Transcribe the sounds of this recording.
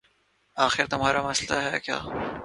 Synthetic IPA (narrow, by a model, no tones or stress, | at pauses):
aːxɪɾt̪ʊmɦaːɾamɐslaɦɛːkja̰ː